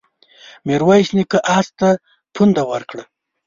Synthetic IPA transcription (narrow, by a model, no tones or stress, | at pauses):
meɾwajɕnikəʔast̪a | pʰund̪awaɾkɽə